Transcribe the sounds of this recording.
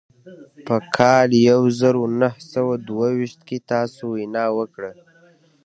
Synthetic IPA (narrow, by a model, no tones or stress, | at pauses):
pəkʰɑljawzaɾonahsawad̪wawiʃt̪ket̪ɑsowinɑwəkɽə